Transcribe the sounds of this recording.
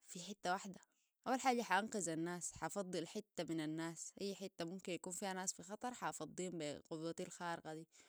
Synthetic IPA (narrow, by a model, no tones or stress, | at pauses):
fiħɪt̪ːawaħd̪a | ʔawːalħaːɟaħaʔanqɑzanːaːsħɑfɑd̪ˤːɨlħɪt̪ːaminanːaːsʔajːħɪt̪ːamumkinjakuːnfiːhanaːsfixɑt̪ˤɑɾˤħɑʔfɑd̪ˤːiːmbiqʊd̪ˤuːat̪alxaːɾɪqɑd̪iː